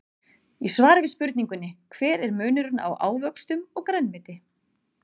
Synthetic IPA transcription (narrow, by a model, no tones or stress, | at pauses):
isvaːɾɪvɪspʏɾt̪niŋkʏnːɪkʰv̥ɛːɾɛɾmœːnʏɾʏna̰wʔaːwvœkst̪ʏmɔɣkɾɛnːmɪt̪ɪ